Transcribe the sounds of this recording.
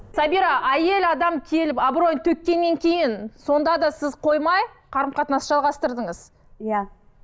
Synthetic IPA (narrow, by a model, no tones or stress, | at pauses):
sɑbiɾɑʔæje̞lɑd̪ɑmkʲʰe̞lɪpɑbro̞jnt̪ʰɵk̚ʲːe̞nːe̞ŋkʲʰe̞jɪnso̞nd̪ɑd̪ɑsɪzqʰo̞jmɑj | qʰɑɾəmqʰɑt̪nɑsʒɑlˠʁɑst̪əɾd̪əɴəz̥ | ja